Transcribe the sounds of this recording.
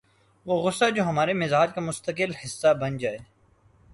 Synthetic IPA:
ʋoːɣʊsːad͡ʒoːɦɐmaːɾemɪzaːd͡ʒkamʊst̪əkɪlhɪsːabɐnd͡ʒaːeː

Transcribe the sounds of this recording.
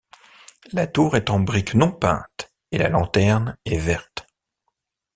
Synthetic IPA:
lat̪uʁɛt̪ɑ̃bʁiknɔ̃pɛ̰̃t̪ | ela̰lɑ̃t̪ɛʁnɛvɛʁt̪

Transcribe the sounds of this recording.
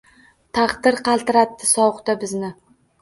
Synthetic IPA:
t̪ʰɑχd̪ɪɾqʰɑlˠt̪ɪɾat̪ːɪsɒwχt̪abɪznɪ

